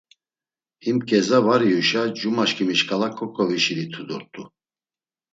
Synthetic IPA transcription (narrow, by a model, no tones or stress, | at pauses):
imkʼɛzavaɾiuʃad͡ʒumaʃkʼimiʃkʰʼalakʰɔkʼɔviʃiɾit̪ʰud̪ɔɾt̪ʼu